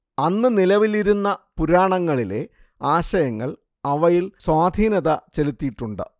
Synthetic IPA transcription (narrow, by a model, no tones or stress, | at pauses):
ɐnːɨnilɐʋiliɾunːɐpuɾaːɳɐŋːɐɭile̞̰ | aːɕɐjɐŋːɐɭ | ɐʋɐjilswaːd̪ʱiːnɐðɐt͡ɕe̞lut̪ːijʈːuɳɖɨ̰